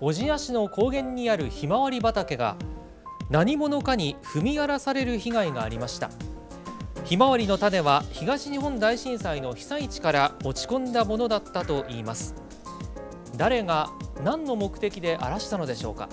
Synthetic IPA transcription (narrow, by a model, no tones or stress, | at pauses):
o̞ʑiaɕino̞ko̞ːɡẽ̞ɲ̟ːiaɾɯ̟çimaβaɾʲibat̪ake̞ɡa̰ | naɲ̟imo̞no̞kaɲ̟iɸɯ̟mʲiaɾasaɾe̞ɾɯ̟çiɡaiɡaːɾʲimaɕi̥t̪a̰ | çimaβaɾʲino̞t̪ad̪e̞βaçiɡaɕiɲ̟iɦõ̞nd̪aiɕĩɰ̃saino̞çi̥sait͡ɕi̥kaɾao̞t͡ɕi̥kõ̞nd̪amo̞no̞d̪at̪ːat̪o̞ʔiːmasɨ̥ | d̪aɾe̞ɡanãnːo̞mo̞kɯ̟̥t̪e̞kʲid̪e̞ʔa̰ɾaɕi̥t̪ano̞d̪e̞ɕo̞ːka̰